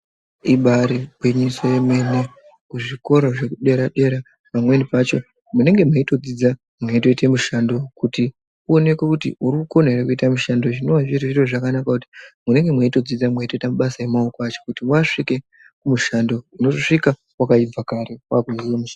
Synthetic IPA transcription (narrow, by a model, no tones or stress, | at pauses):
iɓaɾibwiɲisoje̞mwe̞ne | kuʐiko̞ɾoʐe̞kuɗe̞ɾaɗe̞ɾa | pamwe̞nipat͡ʃo̞ | mune̞ŋɡe̞mweito̞d͡zid͡za | mweito̞ite̞muʃando̞kuti | uone̞kwekutḭuɾikuko̞nerekuitamuʃando̞ʐino̞waviriʐiroʐakanakakuti̥mune̞ŋɡe̞mweito̞d͡zid͡zamweito̞itamuɓasaemaokwat͡ʃo̞kutiwaʂike̞ | kumuʃando̞ino̞toʂika | wakaib͡vakaɾewakiziemuʃan